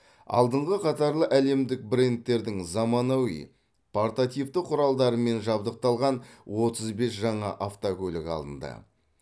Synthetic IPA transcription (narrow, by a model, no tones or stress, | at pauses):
ɑ̰lˠd̪əɴʁəqʰɑt̪ɑɾlˠəʔæle̞md̪ɪk̚bɾe̞nt̪ːe̞ɾd̪ɪŋzɑmɑnɑwḭj | pʰart̪at̪ijft̪əqʰʊɾɑlˠd̪ɑɾəme̞nʒɑb̚d̪əq̚t̪ɑlˠʁɑnwo̞t̪əzbe̞sʒɑɴɑʔaft̪okʲɵlɪkɑ̰lˠd̪ə̰nd̪ɑ̰